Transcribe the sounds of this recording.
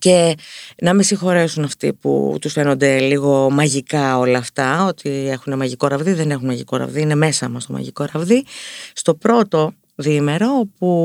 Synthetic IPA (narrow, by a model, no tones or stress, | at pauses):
ce̞nɐmisixo̞ɾe̞sunɐft̪ḭpṵt̪usfe̞no̞nd̪e̞liɣo̞mɐʝikɐo̞lɐːft̪ɐo̞t̪ʰie̞xune̞mɐʝiko̞ɾɐvðiðe̞ne̞xunmɐʝiko̞ɾɐ̰vðiine̞me̞sɐmɐst̪omɐ̰ʝḭko̞ɾɐvðist̪o̞pɾo̞t̪o̞ | ðime̞ɾo̞opu